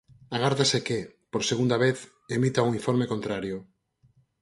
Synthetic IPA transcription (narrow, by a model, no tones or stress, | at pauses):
aɣaɾðasekɪpoɾseɣund̪aβeθ | emit̪auŋiɱfoɾmekont̪ɾaɾjʊ